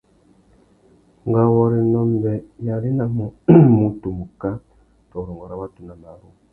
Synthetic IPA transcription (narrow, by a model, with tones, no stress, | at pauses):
ŋɡa˨wo˨ɾi˨no˦mbe˨ja˨ɾi˦na˨mu˨mu˨tu˨mu˨ka˦ | to˨ɾo˨ŋɡo˨ɾa˨˦βa˦tu˨na˨ma˨ɾu˦